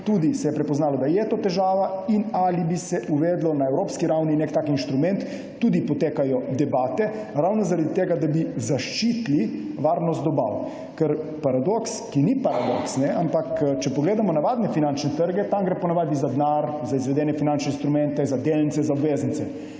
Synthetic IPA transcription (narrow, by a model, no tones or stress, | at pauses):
t̪ud̪isɛjɛpɾɛpɔznaːlɔd̪ajɛt̪oːt̪ɛʒaːʋainalibisɛʔuʋɛːd̪lɔnaɛwɾoːpskiɾawninekt̪aːkinʃt̪ɾumɛnt̪ː | uːd̪ipɔt̪eːkajɔd̪ɛbaːt̪ɛ | ɾawnɔzaɾad̪it̪eːɡad̪abizaʃt͡ʃit̪liʋaːɾnɔst̪ɔba̰w | kəɾpaɾad̪okskinipaɾad̪oksnɛʔampakt͡ʃɛpɔɡleːd̪amɔnaʋaːd̪nɛfinant͡ʃnɛt̪əɾɡɛt̪amɡɾepɔnaʋaːd̪izad̪naɾzaizʋɛd̪ɛːnɛfinant͡ʃnɛinst̪ɾumɛ̃nt̪ɛzad̪elnit̪sɛzaɔbʋeːznit̪sɛ